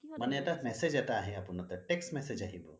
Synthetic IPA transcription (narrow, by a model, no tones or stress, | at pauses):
mɐnjɐʈamɛsed͡ʒɐʈaɦɛɐpunɔt̪ɔʈeksmɛsed͡ʒaɦibṵ